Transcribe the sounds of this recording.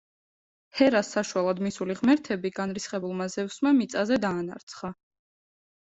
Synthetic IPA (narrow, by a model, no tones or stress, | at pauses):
hɛɾasːaʃualˠad̪misuliʁmɛɾt̪ʰɛbiɡanɾisχɛbulˠmazɛfsmamit̪sʼazɛd̪aːna̰ɾt̪sʰχa